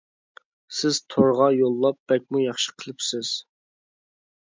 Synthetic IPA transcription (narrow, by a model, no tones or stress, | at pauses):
sɪz̥t̪ʰoɾʁɑjolˠːɑp̚b̥ɛk̚ʲmujɑχʃə̥qʰəlˠɪpsɪz̥